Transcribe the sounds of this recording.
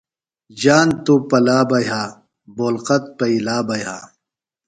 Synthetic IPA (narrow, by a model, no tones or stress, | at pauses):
d͡ʑaːnt̪upɐlaːbɐjɦaː | boːlqɐt̪̚pɐilaːbɐjɦaː